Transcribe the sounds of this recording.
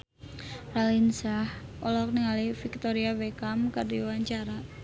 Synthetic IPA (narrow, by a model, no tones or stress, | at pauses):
ralinsahɔlɔk̚niŋalifik̚t̪oɾiawekamkardiwaɲt͡ʃaɾa